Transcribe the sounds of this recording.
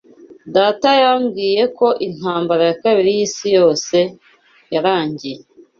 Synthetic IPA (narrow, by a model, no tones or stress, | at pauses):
daːtajamɡiːje̞ko̞ʔin̥haːmbaɾajakaβiɾijiːsijo̞ːse̞ | jaɾaːɲɟije